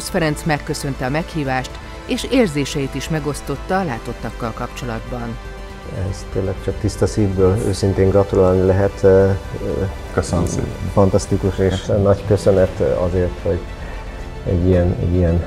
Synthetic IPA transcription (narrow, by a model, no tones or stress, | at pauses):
osfɛɾɛnt̪smɛkːø̞sø̞nt̪ɛɒmɛkhiːvaːʃt̪ | eːʃeːrzeːʃɛjit̪iʃmɛɡo̞st̪o̞t̪ːɒːlaːt̪o̞t̪ːɒkːɒlkɒpt͡ʃo̞lɒd̪bɒn | ɛzt̪eːnlɛkt͡ʃɒk̚t̪ist̪ɒsiːvbøːlø̰ːsint̪eːŋɡrɒt̪ulaːlnilɛɦɛt̪ | ksfɒnt̪ɒst̪ikuʃeːʃnɒɟkøsønɛt̪ɒ̰zeːrt̪ho̞ɟ | ɛ̰ɟːijɛnɛ̰ɟijɛn